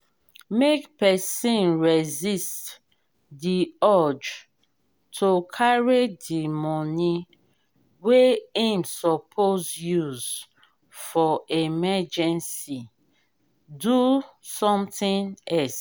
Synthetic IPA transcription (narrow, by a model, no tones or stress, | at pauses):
mekpɛsĩnɹɛzist | diɔd͡ʒ | tʰokʰaɹidimɔni | weĩmsɔpʰozjuz | fɔemɛd͡ʒɛ̃nsi | dusɔ̃mtĩnɛls